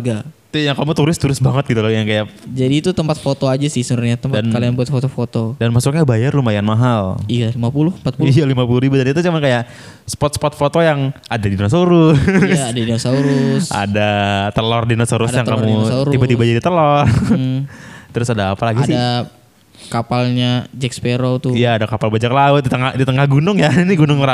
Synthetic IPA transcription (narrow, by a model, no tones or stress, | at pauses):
ɡat̪ujaŋkamut̪uɾɪst̪uɾɪsbaŋət̪̚ɡit̪ulɔjaŋkajaʔd͡ʒadiːt̪ut̪əmpat̪̚fot̪oad͡ʒasɪhsəɾʊɲat̪əmpdannkalijaŋbuat̪fot̪ofot̪odanmasʊkɲabajarlumajanmaɦalijalimapulʊhəmpat̪̚puijalimapuluɾibudanit̪ut͡ʃumankajaʔ | sə̥pɔt̪̚sə̥pɔt̪̚fot̪ojaŋadadinasoɾʊːdainasauɾʊsa̰dat̪əlɔrdinasoɾʊsjaŋkamuuɾibat̪ibad͡ʒadit̪əlɔr | t̪əɾʊsadaːpalaɡisɪda | kapalɲad͡ʒɛkspeɾot̪ʊijaːdakapalbad͡ʒaklaʊt̪̚dit̪əŋadit̪əŋahɡunʊŋjainiɡunʊŋɾa